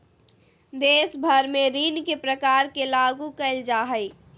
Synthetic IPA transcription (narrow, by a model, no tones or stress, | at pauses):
d̪eːsbʱəɾmẽɾinkepɾəkaɾkelaɡukəɪld͡ʒaɦəɪ